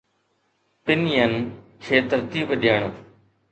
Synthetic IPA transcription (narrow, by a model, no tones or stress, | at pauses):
pɪnijən | kʰeːt̪ɐɾt̪iːbɗɪjəɳ̃